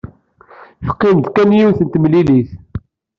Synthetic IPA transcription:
fə̥qːind̪kænjiwθənt̪mliliθ

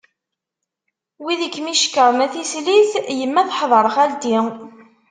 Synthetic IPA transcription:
wiðəkːmiʃkəʁmæθisliθjəmːæθħðˤəɾˤχæld̪i

